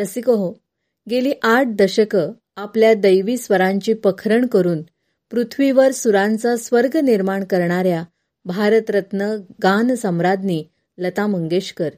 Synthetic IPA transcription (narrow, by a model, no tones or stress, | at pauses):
t̪əsikəɦo | ɡeliːʔaʈ̚d̪əɕəkə | apljad̪əjʋiːsʋəɾãɲt͡ɕiːpəkʰɾəɳkəɾuːn | pɾut̪ʰʋiʋəɾsuɾãnt͡sasʋəɾɡniɾmaɳkəɾɳaɾja | bʱaɾət̪ɾət̪nəɡansə̃mɾad̪niː | lət̪aməŋɡeɕkəɾ